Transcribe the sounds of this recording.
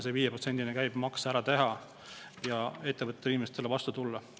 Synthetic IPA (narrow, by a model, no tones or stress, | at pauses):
seviːjeprose̞nʲd̪̥inekæjb̥mɑksɑæɾɑt̪e̞ɦɑ | jɑe̞t̪ːˑevɤt̪et̪ːeiːmest̪ːelːevɑst̪ut̪ulːɑ